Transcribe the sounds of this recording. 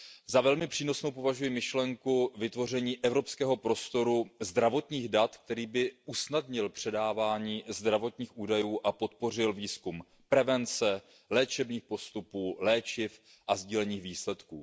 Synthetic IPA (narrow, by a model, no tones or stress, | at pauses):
zavɛlmɪpr̝̥iːno̞snowp̬o̞vaʒujɪmɪʃlɛŋkuvɪt̪vo̞r̝ɛɲiːʔɛvɾo̞pskɛːɦo̞pɾo̞st̪o̞ɾuzd̪ɾavo̞t̪ɲiːɣdat̪k̚t̪ɛɾiːbɪʔusnadɲɪlpr̝̥ɛdaːvaːɲiːzd̪ɾavo̞t̪ɲiːxʔuːdajuːʔapo̞t̪po̞r̝ɪlviːskum | pɾɛvɛnt͡sɛ | lɛːt͡ʃɛbɲiːxpo̞st̪upuːlɛːt͡ʃɪf | ʔazɟiːlɛɲiːxviːslɛt̪kuː